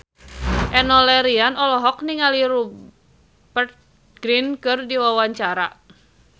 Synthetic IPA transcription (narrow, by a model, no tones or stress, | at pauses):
ʔɛnɔlɛɾianɔlɔɦɔk̚niŋaliɾu | bərt̪̚ | ɡ̥ɾinkɨrdiwawaɲt͡ʃaɾa